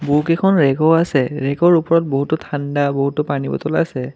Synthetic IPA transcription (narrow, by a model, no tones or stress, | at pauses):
bukɛkʰɔnɹɛkɔasɛɹɛɡɔɹupɔɹɔt̚boɦutʊtʰandaboɦutːʊpanibɔ̰tɔla̰sɛ